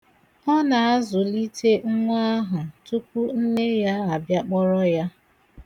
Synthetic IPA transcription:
ɔ˦na˨a˦zʊ˨li˦te˦ŋ̩˦ŋʷa˦ɦʊ˨tu˦kʷu˦n̩˦ne˦ja˦a˨bja˦k͡pɔ˦ɾɔ˦ja˦

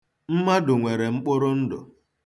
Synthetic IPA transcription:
m̩˦ma˦dʊ˨ŋʷe˨ɾe˨ŋ͡m̩˦k͡pʊ˦ɾʊ˦n̩˦dʊ̰˨

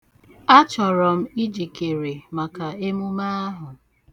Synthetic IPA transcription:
a˦t͡ʃɔ˨ɾɔ˨m̩˦i˦d͡ʒi˨ke˨ɾe˨ma˨ka˨e˦mu˦ma˦a˦ɦʊ˨

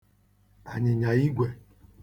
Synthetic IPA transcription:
a̰˨ɲɪ˨ɲa˨i˦ɡʷe˨

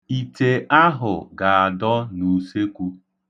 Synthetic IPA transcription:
i˨te˨ʔa˦ɦʊ˨ɡa˨a˨dɔ˦nu˨se˦kʷu˦

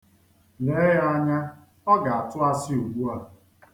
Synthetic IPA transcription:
ne˨˦ja˦ɲa˦ | ɔ˦ɡa˨a˨tʊ˦a˦sɪ˦u˨ɡ͡bu˦a˨

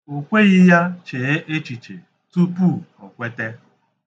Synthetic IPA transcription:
o˨kʷe˦ɣɪ˦ja˦t͡ʃe˨e˦ʔe˦t͡ʃi˨t͡ʃe˨ | tu˦pu˦˨ɔ˨kʷe˦te˦

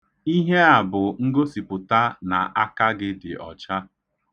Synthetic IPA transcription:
i˦ɦe˦a˨bʊ˨ŋ̩˦ɡo˦si˨pʊ˨ta˦na̰˨ʔa˦ka˦ɡɪ˦dɪ̰˨ʔɔ̰˨t͡ʃa˦

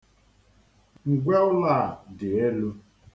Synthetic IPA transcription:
ŋ̩˨ɡʷe˦ʊ˦la˦˨dɪ˨e˦lu˦

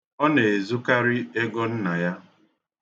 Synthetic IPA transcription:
ɔ˦ne˨e˨zu˦ka˦ɾɪ˦e˦ɡɔ˦n̩˦na˨ja˦

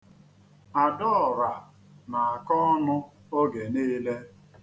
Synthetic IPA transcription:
a˨dɔ˦˨ɾa˨ | na˨a˨kɔ˦nʊ˦ | o˦ɡe˨niː˦le˦

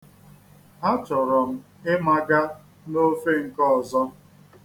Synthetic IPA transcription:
a˦t͡ʃɔ˨ɾɔ˨m̩˦ | ɪ˦ma˦ɡa˦ | no˦fe˦ŋ̩˨kɔ˦˨zɔ˦

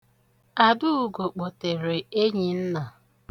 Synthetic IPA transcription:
a˨dʊ˦u˨ɡo˨k͡po˨te˨ɾe˨e˦ɲi˨n̩˦na˨

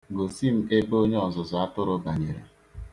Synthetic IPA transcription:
ɡo˨si˦m̩˨e˦bo˦ɲe˦ɔ˨zʊ˨zʊ˨a˦tʊ˦ɾʊ˦ba˨ɲe˨ɾḛ˨

